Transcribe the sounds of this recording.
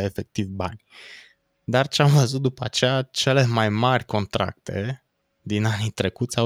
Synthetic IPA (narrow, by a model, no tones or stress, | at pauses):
efe̞k̚t̪ivba̰nʲ | d̪art͡ʃeamvəzut̪̚d̪upəat͡ʃejat͡ʃe̞le̞majmarʲko̞nt̪ɾa̰k̚t̪ʰe̞̰ | d̪inanit̪ɾe̞kut̪sʲa